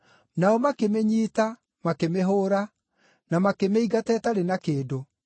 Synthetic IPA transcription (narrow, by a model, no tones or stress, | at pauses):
naɔmakemeɲiːta | makemeɦoːɾa | namakemeiɡatɛtaɾenakeːdo